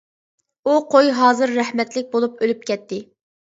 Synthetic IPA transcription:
uqʰojɦɑːzɨɾːæhmɛt̪lɪk̚ʲbolˠup̚ølyp̚kʲʰɛt̪ʰːɪ

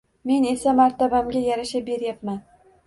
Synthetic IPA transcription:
me̞ne̞samaɾt̪ʰabamɡʲajaɾaʃabe̞ɾjapman

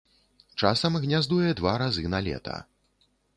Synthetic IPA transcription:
t͡ʂasɐmɣnʲazd̪ujɛd̪vaɾazɨnalʲɛ̰t̪ɐ̰

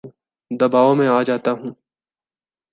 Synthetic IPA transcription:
d̪ɐbaːomẽaːd͡ʒaːt̪aɦũː

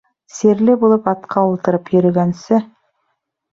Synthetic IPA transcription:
seɾlɘbulˠɤpɑt̪qʰɑulˠt̪ɤ̆ɾɤpjɵ̆ɾɵ̆ɡænsɘ

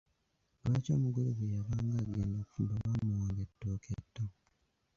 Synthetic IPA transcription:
leːco̞̰ːmuɡuloɡejaβaːŋɡaːɡeːndokfumboβamuwaːŋɡetːoːkʰetːo

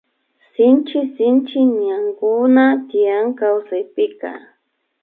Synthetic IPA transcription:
sɪnt͡ʃɪsɪnt͡ʃɪɲaŋkʊnat̪ɪjaŋkawsajpɪka̰

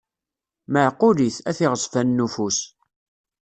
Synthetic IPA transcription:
məʕqːʊɾiθæθɪʁəsˤfænːufus

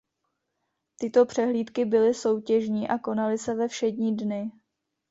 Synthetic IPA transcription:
t̪ɪt̪o̞pr̥ɛɦliːt̪kɪbɪlɪso̞wcɛʒɲiːʔako̞nalɪsɛvɛfʃɛdɲiːdnɪ

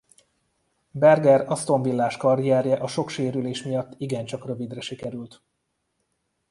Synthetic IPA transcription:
bɛrɡɛɾɒst̪o̞ɱvilːaːʃkɒrijɛɾjɛʔɒʃo̞kʃeːɾyleːʃmijɒt̪ːiɡɛnt͡ʃɒkrø̞vid̪rɛʃikɛɾylt̪

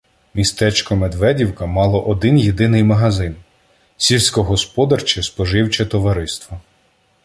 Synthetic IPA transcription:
mʲist̪ɛt͡ʃkɔmed̪ʋɛdʲiwkɐmɑlˠɔʔɔd̪ɪnjed̪ɪnɪjmɐɦɐzɪn | sʲilʲsʲkɔɦɔspɔd̪ɐrt͡ʃɛspɔʒɪwt͡ʃɛt̪ɔʋɐɾɪst̪ʋɐ

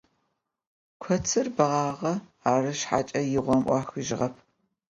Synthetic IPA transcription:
kʷʰɔt͡sʰɨrbɐʁɑːʁɐaːrɨʃħa̰ːt͡ʃʼɐjɪʁʷɔmʔʷɑxɨʒɪʁɐpʰ

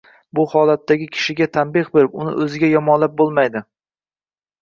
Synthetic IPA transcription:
bʊhɒlˠat̪ʰːaɡʲɪkʲʰɪ̥ʃɪɡʲat̪ʰambeχbeɾɪpʊnɪ̰ʔɵzɪɡʲajɒmɒnlap̚bolˠmajd̪ɪ

